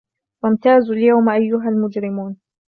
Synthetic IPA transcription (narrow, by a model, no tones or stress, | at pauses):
wamt̪aːzʊljawmʔajːʊɦalmʊd͡ʒɾɪmuːn